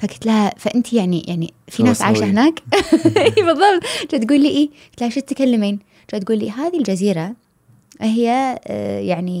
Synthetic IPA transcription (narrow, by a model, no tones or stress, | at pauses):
fakɪ̥t̪lahafaʔɪnt̪ʰijaʕnijʔa̰ʕnḭfinaːsʕaːʃaɦɪnaːkː | bɨðˤːɑbt̪t͡ʃat̪ɡuːlːiːʔiːkɪt̪lahaʃit̪ːkalːamiːn | t͡ʃat̪̚ɡuːlːḭɦaːðild͡ʒaziːɾa | ʔhɪjːajaʕni